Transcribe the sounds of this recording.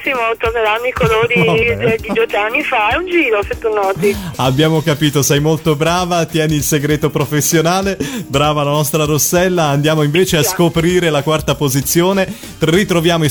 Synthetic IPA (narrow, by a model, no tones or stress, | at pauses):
simot̪orneɾanːoikoloːɾid̪id̪ɔt̪ːeanːifaɛund͡ʒiːɾoset̪ːunːɔːt̪iabjaːmokapiːt̪osɛjmolt̪obɾaːvat̪jɛːniːlseɡɾeːt̪opɾofesːjonaːlebɾaːvalanɔst̪ɾaɾosːɛlːaːnd̪jaːmoiɱveːt͡ʃeasskopɾiːɾelakwart̪apozit̪sːjoːne | t̪rit̪ɾovjaːmoi